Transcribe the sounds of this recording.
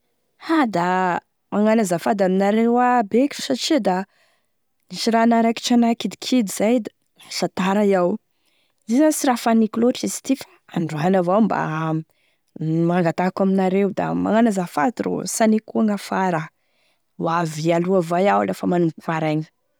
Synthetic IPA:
had̪a | maŋanazafad̪aminaɾewabekʲi̥saʈ͡ʂid̪a | niʃiɾanaɾaki̥ʈ͡ʂanakid̪ikʰid̪iz̥ajd̪a | sat̪aɾajaw | zizansiɾafanikloʈ͡ʂiz̥t̪ifḁ | aɳɖ͡ʐuanavawmba̰ | maŋɡat̪akaminaɾewd̪a̰ma̰ŋanazafad̪ɾo̰sanikuaŋafaɾa | wavialuavajawlefamanuku̥faɾaɲə̥

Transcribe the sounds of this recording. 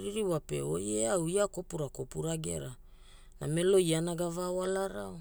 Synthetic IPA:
ɾiɾiwape̞̰ojeawiako̞puɾako̞puɾaɡe̞̰ɾa | na̰me̞lo̞janaɡavawalaɾao

